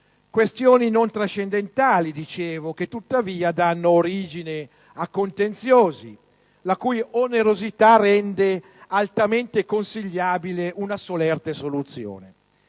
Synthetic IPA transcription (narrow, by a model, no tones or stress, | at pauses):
kwest̪joːninont̪ɾaʃːend̪ent̪aːlid̪it͡ʃeːvok̟et̪ːut̪ːaviːad̪anːoːɾiːd͡ʒini | akːont̪ent̪sjoːzi | lakujoneɾozit̪arɛnd̪e | alt̪ament̪ekonsiʎːaːbileʔunasolɛrt̪esolut̪sːjo̰ːne